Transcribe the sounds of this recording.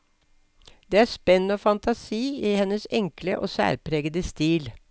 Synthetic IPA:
d̪̥eːæːspɛnːoːfɑnt̪ʰɑsiːihɛnːəsɛŋkləʔoːsæ̰ːɾpʰɾeːɡəd̪əst̪iːl

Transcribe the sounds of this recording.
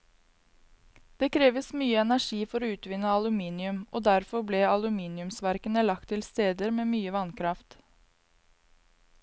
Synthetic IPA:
d̪̥eːkʰɾeːʋəsmyːəɛnæʂiːfɔɾoːʉːt̪ʋɪnəɑlʉmiːnɪʉmʔoːd̪æɾfɔɾbleːɑlʉmiːnɪʉmsʋæɾkənəlɑk̚t̪ʰɪlst̪eːd̪əɾmeːmyːəʋɑnkʰɾɑft̪

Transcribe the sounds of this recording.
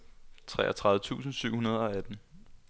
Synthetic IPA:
t͡sʰʁɛ̰ːʔɐt͡sʰʁɑ̈ðˠʋˠət͡sʰṵːsn̩syʊ̰hunɐð̞ˠɒ̽æd̥n̩

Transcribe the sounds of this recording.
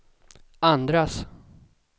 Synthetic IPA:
and̪ɾas

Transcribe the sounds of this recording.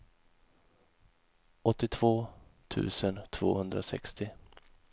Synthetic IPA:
ʔɔt̪ːɪt̪ʰv̥oːt̪ʰʉ̟̰ːsənt̪ʰv̥o̰ːhɵnd̪ɾasɛ̰kst̪ɪ

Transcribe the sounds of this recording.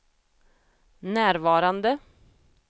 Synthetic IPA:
næːɾvɑːɾand̪ə

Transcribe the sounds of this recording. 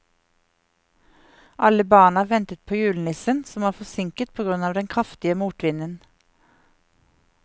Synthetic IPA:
ʔɑləbɑːɳɑʋɛnt̪ət̪̚pʰoːjʉːln̩ɪsənsɔmʋɑːfɔsɪŋkət̪̚pʰoːɡʁʉnɑːʋd̪ɛnkʰʁɑft̪ɪəmuːʈʋɪnən

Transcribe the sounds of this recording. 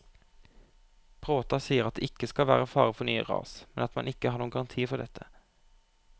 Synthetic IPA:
pʰʁoːt̪ɑsiːəʁɑt̪̚d̪ḛːɪkːəskɑlʋæːʁəfɑːʁəfɔnyːə̰ʁɑ̰ːsmɛnɑt̪mɑnʔɪkəhɑːɾɳuːəŋɡɑʁɑnt̪ʰiːfɔɖ̪ɛt̪ʰːə

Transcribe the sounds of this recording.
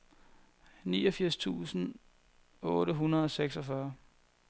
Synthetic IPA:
nḭːɒfiɐ̰st͡sʰṵːsn̩ | ɔːɾəɦunɐðˠɒ̽seɡ̥sɒfɶɐ

